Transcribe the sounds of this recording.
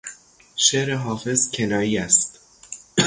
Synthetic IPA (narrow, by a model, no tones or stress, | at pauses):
ʃeːɾeɦɒːfe̞zcʰenɒːjiːæst̪